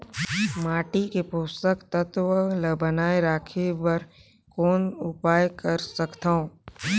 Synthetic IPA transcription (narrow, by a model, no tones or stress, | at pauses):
maːʈikepoːst̪əkt̪ət̪ʋələbənaːeɾaːkʰebɐɾ | kɔːnʊpaːjkɐɾsɐkt̪aõː